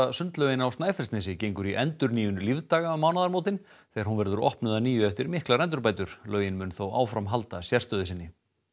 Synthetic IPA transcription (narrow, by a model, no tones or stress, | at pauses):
asʏnt̪lœɥjɪnawst̪naːjfɛɾ̥st̪nɛsɪcejŋkʏɾiʔɛnt̪ʏɾniːjʏnʏlivt̪aːɣamaːwnaðaɾmowt̪ɪn | θɛaɾ̥hunvɛɾðʏɾɔ̰hpnʏðaniːjʏɛft̪ɪɾmɪhklaɾɛnt̪ʏɾpaːjt̪ʏɾ̥lœːɥjɪnmʏnθowa̰ːwfɾamɦalt̪asjɛr̥st̪œːðʏsɪnːɪ